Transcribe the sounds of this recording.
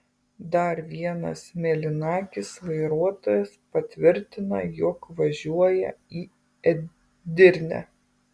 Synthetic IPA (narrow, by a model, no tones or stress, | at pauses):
d̪ɐɾʋʲiɛnɐ̰smʲɛlʲɪnɑːkʲɪsʋɐɪɾuɔt̪oːjɛspɐt̪ʲʋʲɪɾʲt̪ʲɪnɐjɔkʋɐʒʲuɔjɛ̰iː | ɛ | d̪ʲɪɾʲnʲɛ̰